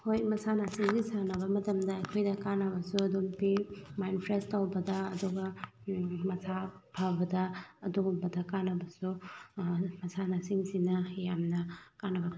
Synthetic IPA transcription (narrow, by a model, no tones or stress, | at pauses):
hojmɐsanasiŋɡisanɐbɐmɐtɐmdɐɐjkʰojdɐkanɐbɐsuɐdumpimajnpʰɾestawbɐdɐːduɡɐ | mɐsʰabʰʱabɐdɐɐduɡumbɐdɐkanɐbɐsu | mɐsanasiŋsinɐjamnɐkanːɐbɐ